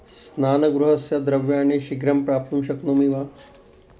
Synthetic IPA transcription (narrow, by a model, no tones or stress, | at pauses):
snaːnɐɡɾuɦɐsjɐd̪ɾɐʋjaːneːʃiɡɾɐmpɾaːp̚t̪umʃɐknoːmiʋaː